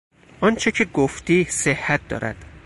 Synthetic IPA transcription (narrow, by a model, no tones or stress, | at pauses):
ʔɒːnt͡ʃʰecʰeɡoft̪iːsehːæt̪̚d̪ɒ̰ːɾæ̰d̪̥